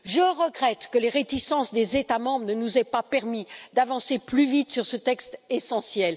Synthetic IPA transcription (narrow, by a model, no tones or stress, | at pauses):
ʒəʁəɡʁɛt̪kəleʁet̪isɑ̃sd̪ezet̪amɑ̃bʁənənuzɛpapɛʁmid̪avɑ̃seplyvit̪syʁsət̪ɛkst̪esɑ̃sjɛl